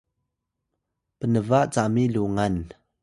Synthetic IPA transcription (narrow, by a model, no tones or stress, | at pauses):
pənəvaʔt͡samiluŋan